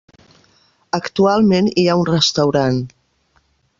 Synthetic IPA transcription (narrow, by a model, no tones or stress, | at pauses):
əkt̪ualˠmeniaunrəst̪əwɾan